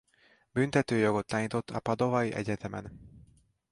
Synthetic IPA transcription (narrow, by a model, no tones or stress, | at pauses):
bynt̪ɛt̪øːjo̞ɡo̞t̪ːaːnɲit̪o̞t̪ːɒpɒd̪o̞vɒiʔɛ̰ɟɛt̪ɛmɛ̰n